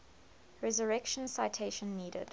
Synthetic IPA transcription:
ɹɛzəɹɛkʃə̃nsaɪtʰeɪʃə̃nːiːdə̰d̥

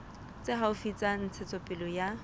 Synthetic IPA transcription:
t͡sʼeɦaʊfit͡sʼan̩t͡sʰɛt͡sʼɔpʼɪlɔja

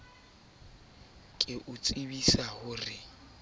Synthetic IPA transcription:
kʼɪʔʊt͡sʼibisahʊrɪ

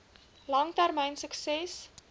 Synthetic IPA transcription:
lɐŋtærmɛjnsəksɛs

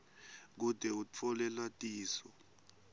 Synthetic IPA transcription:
k̬ud̥ʱɛut͡fʰɔlɛlwatʼiːsɔ

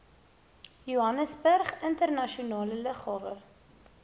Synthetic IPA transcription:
juɦɐnəsbərχəntərnɐʃiunɑːlələχhɑːvə

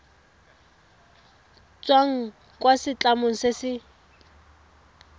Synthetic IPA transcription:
t͡sʼwaŋ̩ | kʼwasɪt͡ɬʼamoŋ̩sesɪ

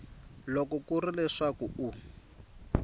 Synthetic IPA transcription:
lɔkɔkurilɛʂakuu

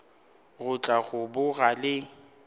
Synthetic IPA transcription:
ɣʊt͡ɬʼaɣʊbʊɣalɪ

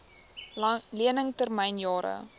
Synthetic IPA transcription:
liənəŋtərmɛjnjɑːɾə̰

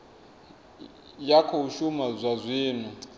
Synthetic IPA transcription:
jakʰɔuʃumazʷazʷiːnu

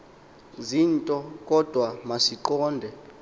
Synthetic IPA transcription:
ziːntʼɔk̬ʼɔd̥ʱwamasiǃɔːndʱɛ

